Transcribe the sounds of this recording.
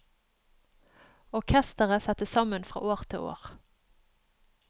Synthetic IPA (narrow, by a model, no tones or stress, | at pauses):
ɔʁkʰɛst̪əʁəsɑt̪əsɑmənfʁɑ̰ːʔoːʁt̪ʰɪ̰ːʔo̰ːʁ